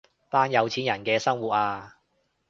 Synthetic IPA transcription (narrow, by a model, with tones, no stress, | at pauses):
t̪aː˥njɐ˨˧wt͡sʰiː˨˥njɐ˨˩nkɛː˧sɐ˥ŋwuː˨t̚aː˧